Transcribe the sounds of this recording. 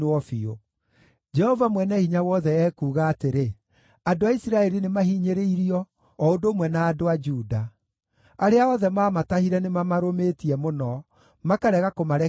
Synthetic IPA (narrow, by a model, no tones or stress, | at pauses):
ɔfio | d͡ʒɛhɔvamwɛnɛhiɲawɔðɛɛːkuːɣaːteɾe | adoaisiɾaɛɾinemaɦiɲeɾeiɾiɔː | odoːmwɛnaːdoad͡ʒuːda | aɾeaɔðɛmaːmatahiɾɛnemamaɾometiɛmonɔ | makaɾɛɣakomaɾɛ